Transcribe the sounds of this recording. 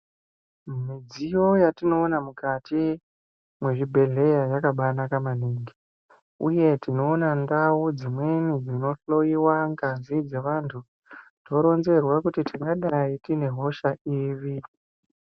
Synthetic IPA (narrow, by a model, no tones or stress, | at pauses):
mmid͡zijo̞jatino̞ːnamukati | mwe̞ʐibʱe̞ɮe̞jajakaɓanakamaniːŋɡi | uje̞tino̞ːnandaud͡zimwe̞nid͡zino̞ɬo̞jiwaŋɡanzid͡ze̞ʋantʰu | to̞ɾo̞nze̞rwakutitiŋɡaɗaitine̞ɦo̞ʃaiːʋi